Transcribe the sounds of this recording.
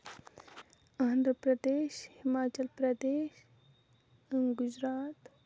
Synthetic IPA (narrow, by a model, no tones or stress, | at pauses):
aːnd̪ɾəpɾɐd̪eːʃhimaːt͡ʃəlpɾɐd̪eːʃ | əŋɡʊd͡ʒɾaːt̪